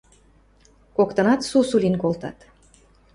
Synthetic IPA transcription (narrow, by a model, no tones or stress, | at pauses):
kokt̪ɤ̆nɑt̪susulinkolt̪ɑ̰t̪